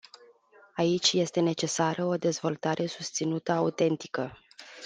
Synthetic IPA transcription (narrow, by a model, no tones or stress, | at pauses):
ait͡ʃʲje̞st̪e̞ne̞t͡ʃe̞saɾʔəo̞d̪e̞zvo̞lt̪aɾʔe̞sust̪sinut̪əaut̪e̞nt̪i̥kə